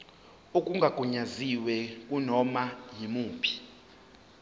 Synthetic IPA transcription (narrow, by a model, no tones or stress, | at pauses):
ukʼuŋɡʱaɡ̥ʱuɲaziwɛkʼunɔmajimuːpʰi̥